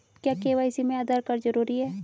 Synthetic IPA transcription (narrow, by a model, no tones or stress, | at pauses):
kjaːkeːʋaːɪsimẽɐd̪əɾkəɾd͡ʒɐɾuːɾiɦɛː